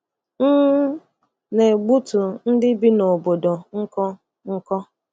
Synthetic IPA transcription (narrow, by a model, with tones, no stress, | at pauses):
n̩˦ | ne˨ɡ͡bu˦tu˨n̩˦dɪ˦bi˦no˨bo˨do˨ŋ̩˦kɔ˦ | ŋ̩˦kɔ˦